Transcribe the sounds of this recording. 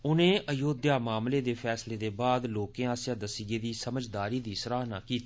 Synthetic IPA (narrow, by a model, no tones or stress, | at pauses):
ʊnẽːʔəjoːd̪jaːmaːmleːd̪eːpʰɛːsleːd̪eːbaːd̪loːkẽːaːsjãːd̪əsɪɡeːd̪iːsəməd͡ʒd̪aːɾiːd̪iːsɾaːɦnaːkiːt̪i̥ː